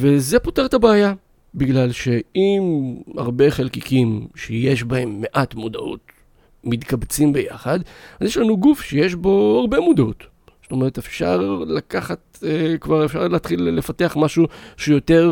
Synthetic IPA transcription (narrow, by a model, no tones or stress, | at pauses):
ve̞zepoteʁet̪abeːja | biɡlalʃe̞ima̰ʁbe̞χelkikimʃejeʃ̬bahe̞mːe̞ʔatmudaʔṵt | mitkabt͡simbe̞ja̰χad̪azjeʃlanuɡufʃejeʃ̬bo̞aʁbe̞mudaut | st̪ome̞ʁet̪efʃa̰ʁlakaχat | kvaʁefʃa̰ʁlaːt̪χilːefateaχmaʃuʃejo̞te̞ʁ